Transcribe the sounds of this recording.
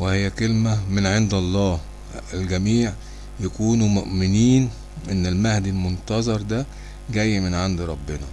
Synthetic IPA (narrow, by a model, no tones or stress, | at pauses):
wɪhejːækelmæmenʕend̪ɑlˤːɑːh | ælɡæmiːʕ | jækuːnumoʔmɪniːn | ʔenːelmæhd̪ilmont̪ɑzˤɑɾˤd̪æ | ɡæjːmenʕand̪ɾˤɑbːenɑ